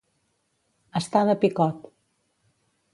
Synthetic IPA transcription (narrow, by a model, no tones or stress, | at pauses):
əst̪aðəpikɔt̪